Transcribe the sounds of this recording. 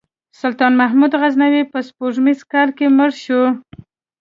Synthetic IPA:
sʊlt̪ɑnmaɦmud̪ɣaznawepəspoʐmizkɑlkeməɾʃu

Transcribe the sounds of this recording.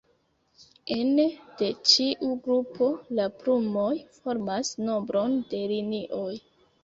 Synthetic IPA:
ened̥e̞t͡ʃiʔuɡɾupʰo̞lapɾumo̞jfo̞ɾmasno̞mbɾo̞nde̞liniʔo̞j

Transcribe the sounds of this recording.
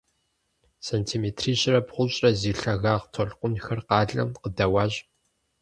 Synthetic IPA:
sɐntʰiːmeːtʰriːɕrɐpχʷʊɕʼɐziːɬɐɣaːʁtʰɔɬqʷʊnxɐrqɑːɮɐ̰mqədɐwaːʑ

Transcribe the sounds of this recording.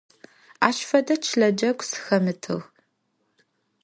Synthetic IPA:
aːʃfɐdɐt͡ʃʰɬɐd͡ʒɐɡʷsɨ̥xɐmɨtʰɨ̰ɣ

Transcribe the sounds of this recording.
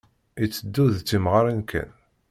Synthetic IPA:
it͡sːəd̪ːuðt͡sːimʁaɾankʰæ̰n

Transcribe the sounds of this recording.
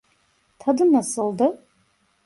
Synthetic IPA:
t̪ʰad̪ɯnasɯlˠd̪ɯ

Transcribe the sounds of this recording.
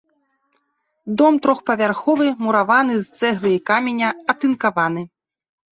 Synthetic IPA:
d̪ɔmt̪ɾɔxpɐvʲarxɔvɨmuɾavanɨzt̪sɛɣlˠɨikamʲenʲɐɐt̪ɨnkavanɨ

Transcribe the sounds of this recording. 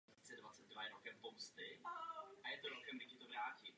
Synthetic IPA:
t͡sɛdvat͡sɛd̪̚dvajɛɾokɛmpomst̪ɪ | ʔajɛt̪oɾokɛmdɪkcɪt̪ovɾaːci

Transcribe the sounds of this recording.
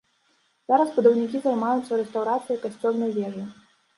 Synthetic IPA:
z̥aɾɐsbud̪ɐwnʲikʲizajmajut̪sɐɾɛst̪awɾat̪sɨjɐjkasʲt͡sʲɔwnɐjvʲɛʐɨ

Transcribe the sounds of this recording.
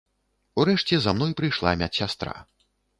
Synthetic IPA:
uɾɛʂt͡sʲɛzamn̪ɔjpɾɨjʂlˠa̰mʲat͡sʲsʲast̪ɾa̰

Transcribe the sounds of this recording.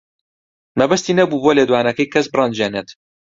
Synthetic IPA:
mɐbɐst̪iːnɐbuːboːleːd̪waːnɐkɐjkʰɐsbɨrɑnd͡ʒeːneːt̪

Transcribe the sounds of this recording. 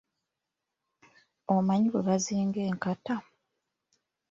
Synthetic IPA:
omaɲiweβaziːŋɡe̞ːŋkata

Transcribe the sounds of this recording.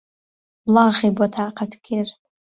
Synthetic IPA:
laʁibatʰaːqʰatʰkʲʰertʼ

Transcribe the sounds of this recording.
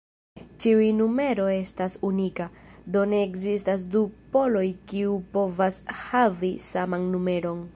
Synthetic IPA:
t͡ʃiujnume̞ɾo̞e̞stasunikad̪o̞ne̞ːkzistas̬dupo̞lo̞jkiupo̞vashavisamanːume̞ɾo̞n

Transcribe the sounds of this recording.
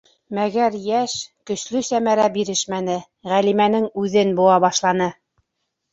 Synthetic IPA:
mæɡæɾjæʃkɵ̆ʃlɵsæmæɾæbiɾɘʃmænɘ | ʁælimænɘŋʉðɘnbuɑβɑʃlˠɑnɤ

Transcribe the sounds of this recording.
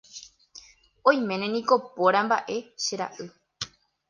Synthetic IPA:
õj̃mẽ̞nẽnĩko̞poɾambaʔe̞ʃeɾa̰ʔɨ

